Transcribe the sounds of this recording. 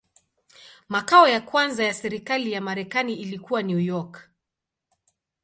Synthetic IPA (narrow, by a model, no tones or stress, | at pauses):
makaɔjakwanzajasɛɾikalijamaɾɛkaniilikuwanjujɔk